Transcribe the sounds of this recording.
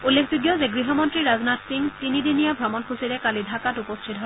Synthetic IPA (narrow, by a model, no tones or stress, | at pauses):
ulːekʰzuɡjɔzeɡɹiɦɔmɔntɹiɹaznatsiŋtinidinijabʱɹɔmɔnkʰusiɾɛkalidʱakatupɔstʰitɦɔ